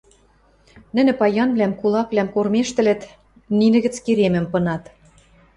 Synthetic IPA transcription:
nɘ̆nɘ̆pɑjɑnβlæmkulˠɑkβlæmkormeʃt̪ɘ̆lɘ̆t̪ | ninɘ̆ɣɘ̆t͡skiɾemɘ̆mpɤ̆nɑt̪

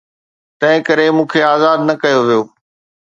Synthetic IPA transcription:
t̪ɐ̃ɦɪ̃kɐɾemũːkʰeaːzaːd̪nɐkɐjoʋijoː

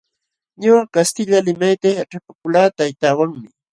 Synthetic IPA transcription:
ɲawakast̪ɪʎalɪmajt̪ajaʈ͡ʂapakʊlaːt̪ajt̪aːwaŋmɪ

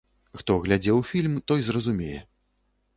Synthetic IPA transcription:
xt̪ɔɣlʲad͡zʲɛwfʲilʲmt̪ɔjzrɐzumʲejɛ̰

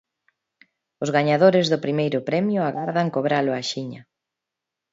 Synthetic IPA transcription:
ʊzɣaɲaðoɾɪzðʊpɾimejɾʊpɾɛmjʊaɣaɾðaŋkoβɾalʊaʃiɲa

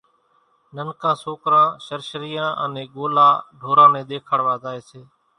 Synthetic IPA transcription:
nənkãːsoːkɾãːʃəɾʃɾiːjãːʔə̰nẽːɠoːlaːɖʱoːɾãːmẽːɗ̪eːkʰəɽʋaːzaːeːseː

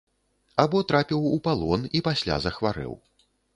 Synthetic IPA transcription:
abɔt̪ɾapʲiwupalˠɔnipasʲlʲa̰zɐxvaɾɛ̰w

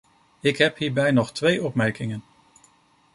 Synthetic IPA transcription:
ɪkɦɛpɦiːɹbɛjnɔχtʋejʔɔpmɛɹkɪŋən

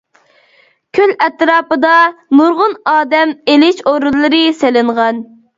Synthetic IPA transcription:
kʲʰølɛt̪ɾɑːpɨd̪ɑnuɾʁʊnɑːd̪ɛmelɪʃoɾulˠːɨɾɨselɪɴʁɑn

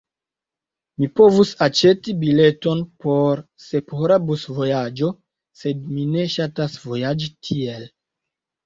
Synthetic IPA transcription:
mipo̞vusat͡ʃe̞tibile̞tonpo̞ɾsepoɾabusvo̞jad͡ʒo̞ | se̞dmine̞ʃatasvo̞jad͡ʒitʰie̞l

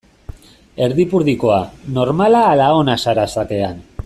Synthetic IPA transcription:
e̞ɾðipuɾðiko̞ano̞ɾmalaːlao̞nasaɾasake̞an

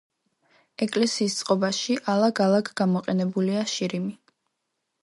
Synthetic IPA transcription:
ɛkʼlɛsiːst̪sʼqʼɔbaʃiʔalˠaɡalˠakʰɡamɔqʼɛnɛbuliaʃiɾimi

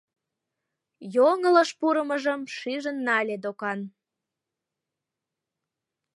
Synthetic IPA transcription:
joŋələʃpuɾəməʒəmʃiʒənːɑlʲed̪okɑn

